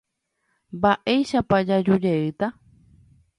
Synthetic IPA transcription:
mbaʔejʃapad͡ʒad͡ʒud͡ʒeɨt̪a

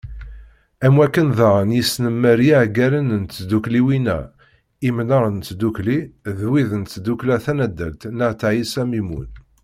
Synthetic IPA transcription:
æmwækːənðɑʁənjisnəmːəɾjæʕɡæɾənənt̪ːd̪ukliwinæ̰ | imnəɾˤənt͡sːd̪ukliðwiðənt͡s̪ːd̪uklæθænæd̪ːælt̪nəʁt̪ʕisæmimṵn

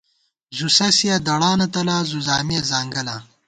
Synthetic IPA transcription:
zusɐsijɐd̪ɐɽaːnɐt̪ɐlaːzuzaːmiɐzaːŋɡɐla

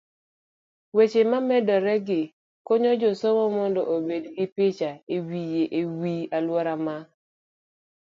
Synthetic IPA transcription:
wet͡ʃemamɛdɔɾɛɡɪ | koɲɔd͡ʒosɔmɔmɔndɔʔobedɡɪpɪt͡ʃaewijeʔewialwɔɾama

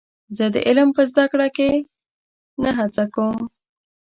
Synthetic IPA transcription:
zəd̪ə̰ʔɪlmpəzd̪akɽake | naɦat͡sakawm

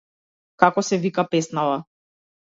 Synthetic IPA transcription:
kakɔsɛvikapɛsnava

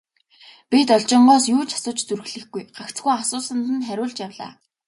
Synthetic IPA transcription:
pit̪ɔɮt͡ɕɪ̆ɴɢɔːsjuːt͡ɕʰḁsʊːt͡ɕt͡surxɮɘ̆xɡujɢakt͡sɡujasʊːsə̆nt̪ɘ̆nχæɾʲʊːɮt͡ɕjawɮa̰ː

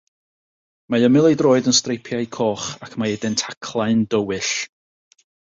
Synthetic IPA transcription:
maəmɪlˠejdroːɨdənstrejpʰjaɨkʰɔχakʰmaɛdɪntʰakʰlˠaɨndəwɨɬ

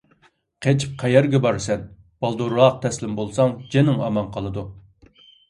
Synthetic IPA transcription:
qʰet͡ʃʰp̚qʰɛjɛɾɡʲɛbɑɾsɛn | b̥ɑlˠd̪oɾɑq̚t̪ʰɛslɪmbolˠsɑŋd͡ʒenɪŋɑmɑnqʰɑlˠɨd̪u

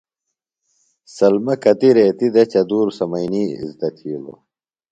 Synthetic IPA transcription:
sɐlmɐkɐt̪iɾeːt̪id̪ɐt͡ɕɐd̪uːɾsɐmɐjniːḭzt̪ɐt̪ʰiːlo̰

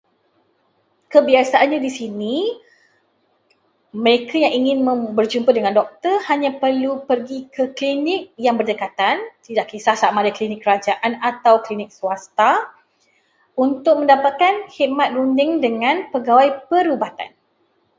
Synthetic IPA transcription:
kəbiasaʔanɲadisini | məɾekʰajaŋiŋɪ̃nmə̃bərd͡ʒumpədəŋãndɔk̚t̪ərhaɲãpərlupərɡikʰəklinɪk̚jaŋbərdəkat̪ant̪idaʔkisahsaʔmãdaklinɪkːəɾad͡ʒaʔanat̪awklinɪk̚suast̪a | unt̪ʊk̚mə̃ndapat̪̚kanhiʔ̚mat̪̚rundɪŋdəŋãnpəɡawajpəɾubat̪a̰n

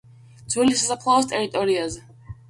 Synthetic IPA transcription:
d̪z̥wɛlisasapʰlˠavɔs̬t̪ʼɛɾit̪ʼɔɾiazɛ

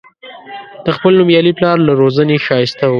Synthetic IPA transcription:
d̪̥əxpəlnʊmjɑliplɑɾlaɾozəneʃɑjɪst̪a

